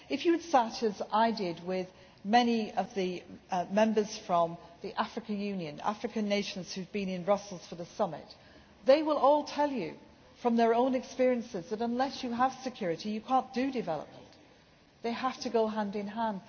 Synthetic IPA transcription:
ɨfjɨɨd̥stæɾɨzaɪdɪd̚wɪð | mɛniʌvðimɛ̃mbə˞z̥fɹʌ̃mðiʔafɹɨkɨ̃njʉ̃njɨ̃na̰fɹɨkɨ̃nːeɪʃn̩z̥hʉvbĩnɨ̃nbɹʌsl̩ˠz̥fə˞ðəsʌmɪ̰t̚ | ðeɪwɪlˠɔlˠtʰɛlˠjɨ | fɹʌ̃mðə˞õʊ̃nɨkspɪɹiɨ̃nsɨzðɨɾə̃nlɛsjɨəv̥sɨkʰj̥ʊɹɨɾijɨkʰɑ̃ˑnd̥ɨdɨvɛlˠə̰p̚mə̃n | ðeɪhaftɨɡoʊɦæ̃ndɨ̃nɦæ̃nd̥

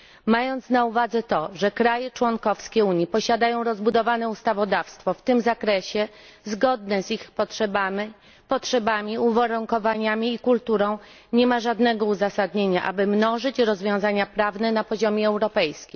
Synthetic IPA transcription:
majɔnt̪snauvad̪zɛt̪ɔʐɛkɾajɛt͡ʂwɔnkɔfskʲɛuɲipɔɕad̪ajɔ̃w̃ɾɔzbud̪ɔvanɛust̪avɔd̪afst̪fɔft̪ɘmzakɾɛɕɛ | zɡɔd̪nɛzixpɔʂɛba | pɔtʂɛbamʲiuvaɾuŋkɔvaɲamʲiːkult̪uɾɔ̃w̃ | ɲɛmaʐad̪nɛɡɔuzasad̪ɲeɲaʔa̰bɘmnɔʐɘt͡ɕɾɔzvʲjɔ̃w̃zaɲapɾavnɛnapɔʑɔmʲɛɛwɾɔpɛjskʲim

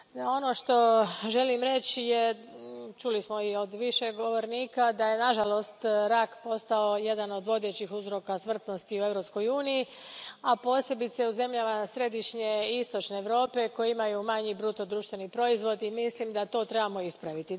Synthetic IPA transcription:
ao̞no̞ʃt̪o̞ʒe̞limɾe̞t͡ɕje | t͡ʃulismo̞io̞d̪ʋiʃe̞ɡo̞ʋo̞ɾniːkad̪aje̞naʒalo̞st̪ɾakpo̞st̪ao̞je̞d̪ano̞d̪ʋo̞d̪e̞t͡ɕixuzɾo̞kasmr̩t̪no̞st̪iue̞ʋɾo̞psko̞juːniji | apo̞ːse̞bit̪seuze̞mʎamasɾe̞d̪iʃɲe̞ist̪o̞t͡ʃne̞ːʋɾo̞ːpe̞ko̞jeimajumaɲibɾut̪od̪ɾuːʃt̪ʋe̞nipɾo̞izʋo̞d̪imislimd̪at̪o̞ːt̪ɾe̞bamo̞ispɾaʋit̪i

